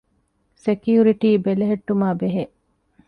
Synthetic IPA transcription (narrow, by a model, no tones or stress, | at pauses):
sekijuɾiʈiːbeleɦeʈːumaːbeɦeʔ